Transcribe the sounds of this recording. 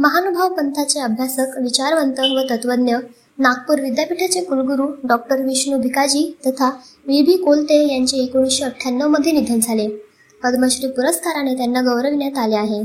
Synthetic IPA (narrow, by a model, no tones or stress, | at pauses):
məɦanubʱaʋpənt̪ʰat͡seəbʱjasəkʋit͡ɕaɾʋənt̪əʋət̪ət̪ʋəd̪njə | nak̚puɾʋid̪japiʈʰat͡sekulɡuɾuːɖɔk̚ʈəɾʋiɕnubʱikad͡ʑiːt̪ət̪ʰa | ʋibʱiːkolt̪ejaɲt͡ɕeːkoɽ̃ĩɕeəʈʰjanːəʋməd̪ʱjenid̪ʱənd͡zʱale | pəd̪məɕɾiːpuɾəskaɾañet̪janːaɡəwɾəʋinjat̪aleaɦe